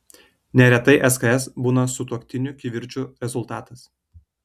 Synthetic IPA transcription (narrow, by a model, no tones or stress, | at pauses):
nʲɛɾʲɛt̪ɐɪʔɛskɐɛsbuːnɐsʊt̪uɔkʲt̪ʲɪnʲʊkʲiʋʲɪɾʲt͡ʃʲʊɾʲɛzʊlˠt̪ɑːt̪ɐs